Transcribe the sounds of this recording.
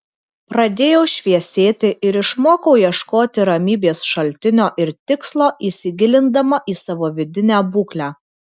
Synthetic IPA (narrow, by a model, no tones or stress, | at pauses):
pɾɐd̪ʲeːjɛʊʃʲʋʲiɛsʲeːt̪ʲɪʔɪɾɪʃmoːkɐʊjiɛʃkoːt̪ʲɪɾɐmʲiːbʲeːsʃɐlʲt̪ʲɪnʲoːʔɪɾt̪ʲɪkslˠoːʔiːsʲɪɡʲɪlʲɪnd̪ɐmɐʔiːsɑʋoːʋʲɪd̪ʲɪnʲæːbuːklʲæː